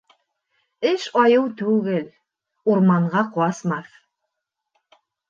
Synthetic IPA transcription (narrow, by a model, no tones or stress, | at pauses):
ɘʃɑjɤwt̪ʉɡɘl | uɾmɑɴʁɑqɑsmɑθ